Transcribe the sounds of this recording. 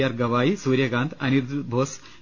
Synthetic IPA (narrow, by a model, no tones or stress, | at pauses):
jaɾɡɐʋaːisuːɾjɐɡãːnt̪ʰɐnid̪bʱoːs